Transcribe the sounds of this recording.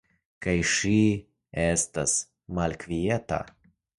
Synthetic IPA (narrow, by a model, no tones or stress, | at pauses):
kajʃi | estas | malkvieta̰